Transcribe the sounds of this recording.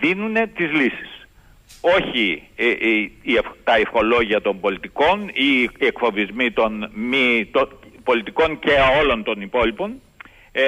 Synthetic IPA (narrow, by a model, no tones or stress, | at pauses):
ðinune̞t̪izlisi̥s | o̞çi | ieft̪ɐifxo̞lo̞ʝiɐt̪o̞mbo̞lit̪iko̞niekfo̞vizmit̪o̞nmit̪opo̞lit̪iko̞ɲce̞o̞lo̞nt̪o̞nipo̞lipo̞n